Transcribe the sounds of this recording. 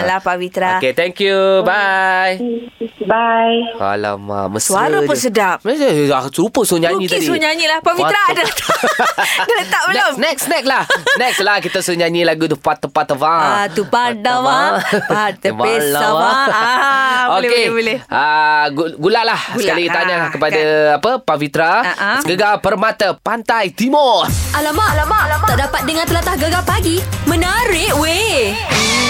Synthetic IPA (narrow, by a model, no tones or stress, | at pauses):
lapawit̪ɾaoket̪ɛŋkjubaj | bajka̰la̰mã̰məsaɾapəsədaʔmsasupəsuɲãɲĩt̪idisuɲaɲilapawiɾadat̪ | dət̪aʔbənɛksnɛk̚lahnɛkslahkit̪asuɲaɲilaɡud̪əpat̪ːəpat̪ːəvãat̪upadawaat̪aeaaa | okeblɛaɡuɡulaʔlahskalit̪aɲakəpadaapəpavit̪ɾaʔɡəɡapərmat̪apant̪ajt̪imɔrʔalamaʔlamalaaʔdapat̪̚dəŋãnt̪əlat̪ahɡəɡapaɡimə̃naɾɪʔwe